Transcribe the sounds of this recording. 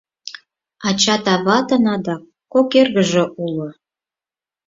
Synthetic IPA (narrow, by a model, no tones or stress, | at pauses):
ɑt͡ɕɑt̪ɑβɑt̪ənɑd̪ɑ | kːokerɣəʒĕʔulŏ